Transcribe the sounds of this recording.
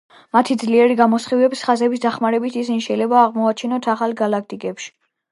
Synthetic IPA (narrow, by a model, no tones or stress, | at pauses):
mat̪ʰid̪zliɛɾiɡamɔsχivɛpsχazɛbisd̪aχmaɾɛbit̪ʰisiniʃɛjlɛbaːʁmɔat͡ʃʰinɔt̪ʰaχalˠɡalak̚ʰt̪ʼikʼɛpʃi̥